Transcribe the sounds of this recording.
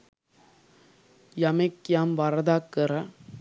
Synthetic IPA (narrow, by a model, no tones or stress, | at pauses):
jɐmɐkːɪjaːmʋɐɾɐðaːkːɯɾɐ